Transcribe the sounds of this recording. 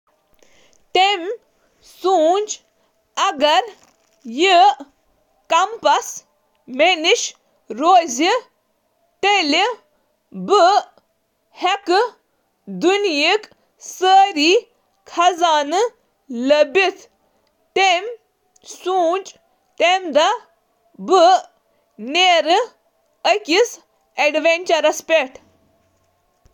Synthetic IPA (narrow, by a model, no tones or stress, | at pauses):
t̪em | suːnd͡ʒ | ɐɡɐɾ | ji | kɐmpɐs | meniʃ | ɾoːzi | t̪eli | bɨ | hekɨ | d̪unjik | səːɾiː | kʰɐzaːnɨ | ləbʲit̪ʰ | t̪em | suːt͡ʃ | t̪emd̪a | bɨ | neɾɨ | əkʲis | eɖʋenʲt͡ʃɐɾɐspʲeʈ